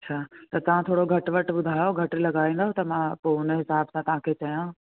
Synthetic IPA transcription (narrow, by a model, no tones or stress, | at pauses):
ɐtːɕʰaːt̪ɐt̪ɐʋ̤ãt̪ʰoːɽoɡʱɐʈʋɐʈɓʊd̪ʱaːjoɡʱɐʈlɐɡaːĩːn̆d̪aːɦõt̪ɐmãpoʊnəɦɪsaːbsãt̪ɐʋ̤ãkʰeːt͡ɕɐjã